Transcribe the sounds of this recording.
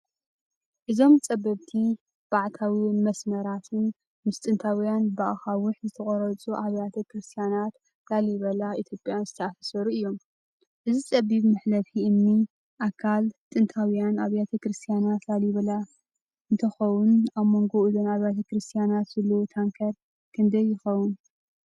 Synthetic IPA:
ʔɨzo̞mt͡sʼɐbɐβt̪ʰi | b̥aʕt̪ʰawimɐsmɐɾat̪ʰɨn | mɨst̪ʼɨnt̪ʰawjanbaʔxawʊħzɨt̪ʰɐχʼɔɾɐt͡sʼuʔaβjat̪ʰɐkʰɾɨst̪ʰijanat̪ | laljɪβɐlaʔit̪ʰjo̞pʼjanzɨt̪ʰɐʔafɐsɐɾuɨjːo̞m | ʔɨzit͡sʼɐβiβmɨħlɐfʰiɨnːi | ʔakʰalt̪ʼɨnt̪ʰawjanaβjat̪ʰɐkɾɨst̪ʰijanat̪laljɪβɐla | ʔɨnt̪ʰɐxɐwʊnaβmo̞ŋɡo̞ulonaβjat̪ʰɐkɾɨst̪ʰijanat̪zɐlot̪ʰaŋkʰɐɾ | kʰɨnd̪ɐjːɪxɐwʊn

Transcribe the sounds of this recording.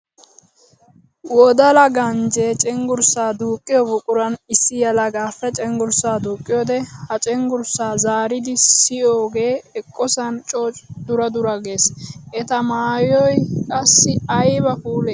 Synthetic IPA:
wɔd̪ɐlɐɡɐnd͡ʒeːt͡ʃʼɛŋɡʊɾsaːd̪uːkʼːɪjɔbʊkʼʊɾɐnɪsːɪjɐlɐɡaːfːɛt͡ʃʼɛŋɡʊɾsaːd̪uːkʼːɪjod̪ɛhɐt͡ʃʼɛŋɡʊɾsaːzaːɾɪd̪ɪsɪjoːɡe̞ːɛkʼːɔsɐnt͡ʃʼoːt͡ʃʼd̪ʊɾɐd̪ʊɾɐɡe̞ːsʔɛt̪ɐmaːjɔjkʼɐsːɪɐjbɐfuːleː

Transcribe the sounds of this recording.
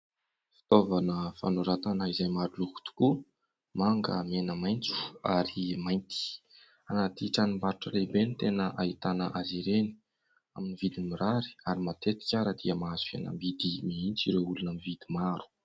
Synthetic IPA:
fi̥t̪ovanəfa̰nuɾat̪anaizajmaɾuluku̥t̪u̥ku | maŋɡə̰menəmajnt͡su̥a̰ɾimajnt̪i̥ | anat̪iʈ͡ʂanimbaɾuʈ͡ʂəlebenit̪enəʔait̪anəʔaziɾeni̥ | aminivid̪imiɾaɾi̥aɾimat̪et̪i̥kʲaɾəd̪iəmaazu̥fḛna̰mbid̪imiint͡siɾeulunəmivid̪imaɾu̥

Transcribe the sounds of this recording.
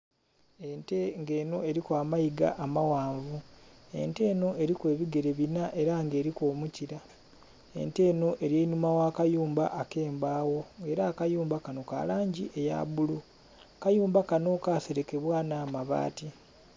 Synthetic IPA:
e̞nteŋɡe̞ːno̞e̞ɾikwaːmaiɡa̰ʔamawaːɱvue̞̰nte̞ːno̞ʔe̞ɾikwe̞ːβiɡe̞ɾe̞βinaʔe̞ɾaŋɡe̞ːɾiko̞ːmuciɾa | e̞̰nte̞ːno̞ʔe̞ɾjeinumawaːkajuːmbaʔːke̞ːmbaːwo̞e̞ɾakajuːmbakano̞ka̰ːlaːɲɟiʔe̞ja̰βulu | kajuːmbakano̞kaːse̞ɾe̞ke̞βwaːnaːmaβa̰ːti

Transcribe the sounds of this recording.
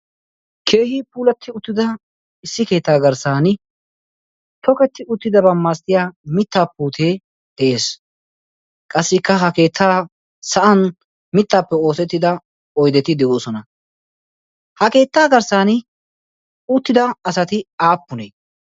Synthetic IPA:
kʰeːhiːpuːlɐt̪ʰːɪʊt̪ːɪd̪ɐ | ɪsːɪke̞ːt̪ːaːɡɐɾsaːnɪ | t̪ɔkɛt̪ːɪʔʊt̪ːɪd̪ɐbɐmːaːst̪ɪjaːmɪt̪ːaːpːuːt̪ʰeː | d̪̥ɛʔe̞ːs | kʼɐsːɪkːɐɦɐke̞ːt̪ʰːaː | sɐʔɐn | mɪt̪ːaːpːɛo̞ːsɛt̪ːɪd̪ɐ | ɔjd̪ɛt̪ɪd̪ɛʔoːsɔnɐ | hɐke̞ːt̪ːaːɡɐɾsaːnɪ | ʊt̪ːɪd̪ɐːsɐt̪ɪaːpːʊneː

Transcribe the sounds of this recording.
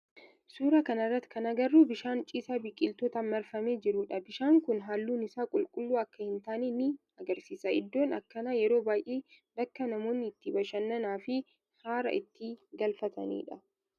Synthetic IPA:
suːɾɐkɐnɐrːɐt̪ːkʰɐnɐɡɐrːuːbɪʃaːnt͡ʃʼiːsaːbɪkʼːɪlt̪ɔːt̪ɐmɛɾfɐmeːd͡ʒɪɾʊᶑɐbɪʃaːŋkʊnɦaːlːuːnɪsaːkʼʊlkʼʊlːuːɐkːɐhɪnt̪aːninɪ | ɐɡɐɾsiːsɐɪd̪ːo̞ːnɐ̰kːɐnaːjɛɾo̞ːbaːjʔeː | bɐkːɐnɐmo̞ːnːɪːt̪ːɪbɐʃɐnːɐnaːfɪ | haːɾɐ̰ʔɪt̪ːɪɡɐlfɐt̪ʰɐ̰nḭːᶑɐ

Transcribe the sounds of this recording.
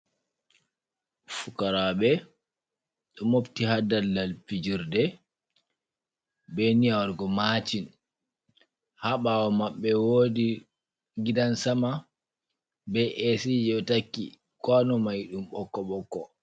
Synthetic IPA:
fukaɾaɓɛ | ɗɔmoftihadalːalfid͡ʒiɾdɛ | bɛnijawaɾɡɔmat͡ʃin | haɓawɔmaɓːɛwoːdi | ɡidansama | bɛʔesid͡ʒɛtakːḭ | kɔnɔmajɗumɓɔkːɔɓɔkːɔ

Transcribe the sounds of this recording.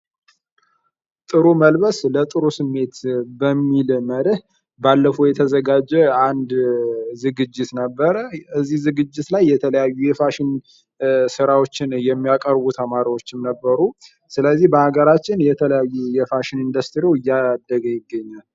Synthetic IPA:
t̪ʼɨɾuməlbəslət̪ʼɨɾusɨmːe̞t̪bəmːilməɾɨh | balːəfojɛt̪ʰəzəɡad͡ʒːɛand̪zɨɡɨd͡ʒːɪt̪nəbːəɾəəzːihzɨɡɨd͡ʒːɪt̪lajːɛt̪ʰələjajːujɛfaʃɪn | sɨɾawo̞t͡ʃːɪnjɛmːijakʼəɾbut̪ʰəmaɾawo̞t͡ʃːɪmnəbːəɾu | sɨləzːihbəhaɡəɾat͡ʃːɪnjɛt̪ʰələjajːujɛfaʃɪnind̪əst̪ʰɾiewɨjːad̪ːəɡəjɪɡːəɲːal

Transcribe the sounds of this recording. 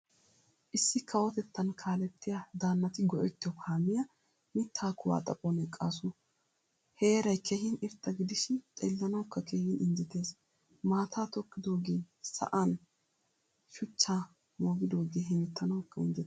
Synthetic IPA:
ʔɪsːɪkʰɐwɔt̪ɛt̪ːɐnkʰaːlɛt̪ːɪjad̪aːnːɐt̪ɪɡɔʔɛt̪ːɪjɔkaːmɪjɐ | mɪt̪ʰːaːkʊwa̰ːt̪ʼɐpʼɔnɛkʼaːs̬ʊ | heːɾɐjkʰehɪnɪɾt̪ːɐɡɪd̪ɪʃɪnt̪ʼeːlːɐnɐwkːɐkeːhɪnʔɪnd͡ʒɪt̪e̞ːs | maːt̪ʰaːt̪ɔkːɪd̪o̞ːɡe̞ː | sɐ̰ʔan | ʃʊt͡ʃːaː | moːɡɪd̪o̞ːɡeːɦɛmɪt̪ʰːɐnɐwkːɐɪnd͡ʒɛt̪ː

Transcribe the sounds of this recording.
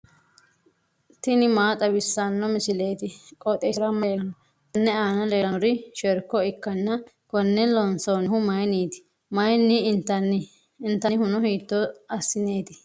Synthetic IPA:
t̪ɪnɪmaːt̪ʼɐbɪsːanːɔmɪsɪle̞ːt̪ɪkʼɔt̪ʼeɾɐmɐn | t̪ɐnːɛaːnɐleːɾɐɾɪʃɛɾkːɔɪkːɐnːɐ | kɔnːɛlɔnsoːnɪhʊmɐjniːt̪ɪ̥ | mɐjnːɪɪnt̪ːɐnːɪː | nt̪ːɐhʊnɔɦiːt̪ːɔɐsːɪne̞ːt̪ɪ

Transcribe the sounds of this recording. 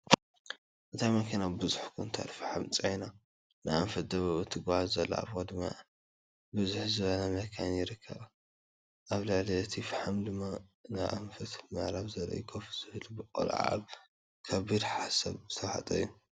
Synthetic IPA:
ʔɨt̪ʰajmɐkʰinabɨzuħkʰunt̪ʰa̰t̪fɨħamt͡sʼɐjna | nɨjʔamfɐt̪̚d̪ɐβaβut̪ʰɨɡahazzɐlːa̰a̰βod̪ɨmːa̰ | bɨzuħzɨβɐlamɐkʰanjɪɾɨkʰːɐβa | ʔaβlɨʕliɨt̪ʰifɨħamd̪ɨmːanajʔaɱfɐt̪mɐʕɾaβzɐlːo̰jɪkʰofz̥ɨβlbɨkʼo̰lʕa̰β | kʰɐbid̪ħasɐ̰βzɨt̪ʰɐwhat̪ʼɐjːu

